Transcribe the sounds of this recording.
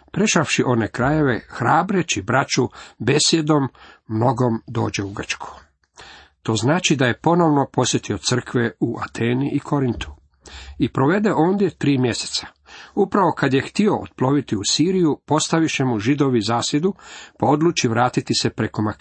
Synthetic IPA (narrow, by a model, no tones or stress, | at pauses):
pɾe̞ʃaʋʃiʔo̞nekɾaje̞ʋexɾaːbɾe̞t͡ɕibɾat͡ʃube̞sje̞d̪o̞mːno̞ɡo̞md̪o̞̰ːd͡ʑe̞uɡr̩t͡ʃkʰu̥ | t̪o̞ːznaːt͡ʃid̪aje̞po̞no̞ʋno̞po̞sje̞t̪io̞t̪sr̩kʋeuʔa̰t̪ʰeːniʔikʰo̞ɾint̪u̥ | ipɾo̞ʋe̞d̪e̞ʔo̞ːnd̪je̞t̪ɾiːmje̞se̥t̪sḁ | upɾaʋo̞kad̪je̞xt̪io̞o̰t̪̚plˠo̞ʋit̪iusiːɾijupo̞st̪aʋiʃe̞muʒid̪o̞ʋizaːsje̞d̪upao̞d̪luːt͡ʃiʋɾaːt̪it̪isepɾe̞ko̞mak